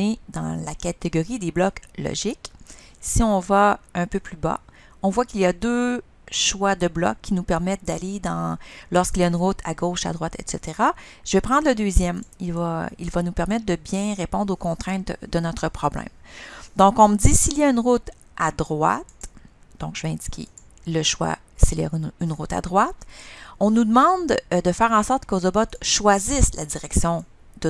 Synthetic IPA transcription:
ed̪ɑ̰̃lakʲat̪eɡɔʁid̪eblɔklɔ̰ʒɪksiɔ̃vaœ̃pøplyba̰ | ɔ̃vwakilijad̪ø | ʃwad̪əblɔ̰kʲʰːinupɛʁmɛt̪̚d̪aled̪ɑ̃lɔʁskʲilijaynʁʊt̪ʰa̰ɡoʃa̰d̪ʁwat̪ɛ̰t̪set̪eʁaʒ̥əvɛpχɑ̃d̪ʁləd̪øːzjɛmilvailvanupɛʁmɛt̪̚d̪əbjɛ̃ʁepɔ̃d̪ʁokɔ̃t̪χɛ̃t̪d̪ənɔt̪χəpχɔblɛ̰̃md̪ɔ̃kɔ̃məd͡z̪isiljaynʁʊt̪ | ʔad̪ʁwa̰t̪̚d̪̥ɔ̃kʒ̥əvɛɛ̃dd͡zi̥kʲʰḛ | ləʃwa̰ | silja̰ynʁʊt̪a̰d̪ʁwat̪ɔ̃nud̪əmɑ̃d̪d̪əfɛːʁɑ̃sɔʁt̪kozɔbɔt̪ʃwazɪsladd͡z̪iʁɛksjɔ̃ | d̪ə

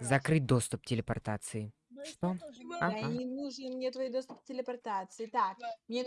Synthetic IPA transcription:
zɐkɾɨt̚ʲd̪o̞st̪ʊp̚tʲɪlʲɪpɐrt̪at̪sɨɪ | ʂt̪oaanʲɪnuʐmnʲet̪vɐid̪o̞st̪ʊpk̚tʲɪlʲɪpɐrt̪at̪sɨɪt̪akmnʲe

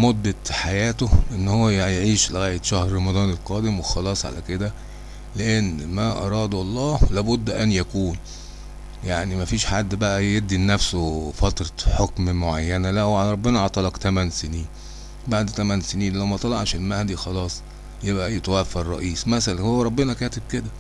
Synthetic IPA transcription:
mod̪ːæħajæːt̪oʔenːhowːæjjeʕiːʃleɣæːjet̪ʃæhɾɾˤɑmɑd̪ˤɑːnelqɑːd̪emwexɑlɑːsˤʕa̰læked̪æ | leʔenːmæʔɑ̰ɾˤɑːd̪ɑlˤːɑːhlæːbod̪ːʔænjækuːn | jaʕnimæfiːʃħad̪ːbæʔæjed̪ːinːæfsofɑt̪ɾˤɑħokmmoʕajːænælæhʕalɾˤɑbːenɑʕɑt̪ˤɑlɑkt̪æmænseniːn | baʕd̪t̪æmænseniːnlæwmæt̪ˤɑlɑʕʃelmæhd̪ixɑlɑːsˤ | jebʔæjet̪æwæfɑɾˤɑ̰ʔiːsmæsælænhowːæɾˤɑbːenɑkæːt̪eb̚ked̪æ

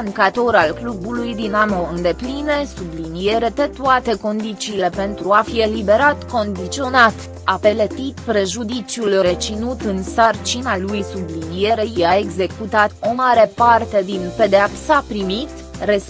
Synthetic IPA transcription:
ŋkat̪o̞ɾalklubulujd̪inamoɨnd̪e̞plinesublinije̞ɾe̞t̪et̪uat̪e̞ko̞nd̪it̪t͡ʃiːle̞pe̞nt̪ɾuafie̞libe̞ɾat̪ko̞nd̪it̪sio̞nat̪ | ape̞lət̪it̪pɾe̞ʒud̪it͡ʃjulɾe̞t͡ʃinut̪ɨnsart͡ʃinalujsublinije̞ɾe̞jeae̞ɡze̞kut̪at̪o̞maɾe̞part̪e̞d̪inpe̞d̪eapsapɾimit̪ | re̞s

